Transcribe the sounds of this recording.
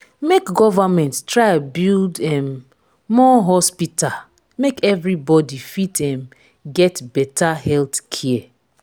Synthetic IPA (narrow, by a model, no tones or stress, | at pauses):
mekɡɔvamɛ̃ntstɹaɪbildɛ̃mː | ɔɦɔspital | mekɛvɾibɔdifitɛ̃m | ɡɛtbɛtahɛltkʰɛɛ